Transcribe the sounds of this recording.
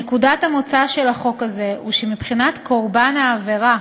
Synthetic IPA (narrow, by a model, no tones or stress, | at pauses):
ekudathamo̞t͡saʃe̞laχo̞kaze̞uʃemipχinatko̞ʁbanaːve̞ʁa